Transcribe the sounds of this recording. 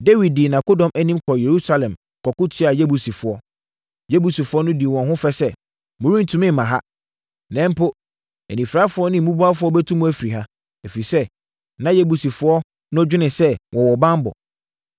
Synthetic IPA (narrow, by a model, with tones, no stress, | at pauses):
de˦wi˨d̚di˨nã˨ko˦dɔ̃˨mæ˦nĩ˦mkʰɔ˨je˨ɾu˦sa˦lɛ̃˨m | kʰɔ˨kʊ˦tʰɪ˦a˨je˦bu˨si˨fʊ˨ɔ˦ | je˦bu˨si˨fʊ˦ɔ˦nʊ̃˦di˨wɔ̃˨nɦʊ̃˦fɛ˦sɛ˦ | mʊ̃˨˦ɾĩ˦n˨tʰũ˨˦mɪ̃˦m˨mã˨ɦa˦ | nɛ̃˦m˦pʰʊ˦ | æ̰˨nĩ˨fɾa˦fʊ˦ɔ˦nɪ̃˦m˨mũ˦bu˦a˦fʊ˦ɔ˦bɛ˦tʰũ˦mũ˦æ˦fi˨ɾi˨ɦa˦ | æ˨fi˨i˨sɛ˦ | nã˨˦je˦bu˨si˨fʊ˦ɔ˦ | nʊ̃˦d͡ʑᶣɪ˦nɪ̃˨sɛ˦wʔɔ̃˨wɔ˨bã˦m˦bɔ̰˨